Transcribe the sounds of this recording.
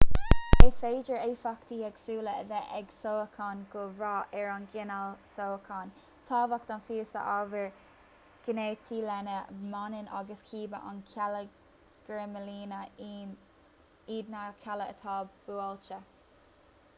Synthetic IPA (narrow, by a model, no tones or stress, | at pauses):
efeːd͡ʒəɹeːfakt̪iːɛɡ̥suːləəðɛʔɛɡsoːəkʰɑnɡ̥ʊɹɑːʔɛɹɑnɡɪnalsoːəkʰɑn | t̪ʰɑːvak̚d̪ɑnfiːəsə̰ʔavəɹ | ɡ̥əneːt̪ʰiːlɛnəmɑnɪna̰ɡəskʰiːbə̰ʔa̰nlə | ɡ̥ɹeməliːnə | iːd̪nakʰɛləət̪ʰɑːbbuːalt͡ʃə